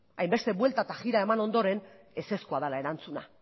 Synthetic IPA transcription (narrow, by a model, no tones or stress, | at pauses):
ajmbe̞st̪e̞βwe̞lt̪at̪axiɾae̞mano̞nd̪o̞ɾe̞n | e̞se̞skuað̞alae̞ɾant͡suna̰